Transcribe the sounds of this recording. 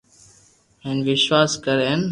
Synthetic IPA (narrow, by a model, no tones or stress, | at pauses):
ɦẽːnʋɪʃʋaːskəɾeːn